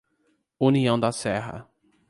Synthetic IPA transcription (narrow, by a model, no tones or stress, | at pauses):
ũniɐ̃w̃d̪ɐsɛɦɐ̰